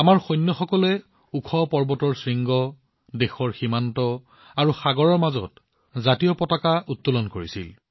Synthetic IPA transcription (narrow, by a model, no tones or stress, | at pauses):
amaɹxɔjnːɔxɔkɔlɛ | ukʰɔpɔɹbɔtɔɹsɹiŋɡɔ | dexɔɹximantɔ | aɹuxaɡɔɹɔɹmazɔ̰t | zatijɔpɔtakaʔutːɔlɔnkoɹisḭl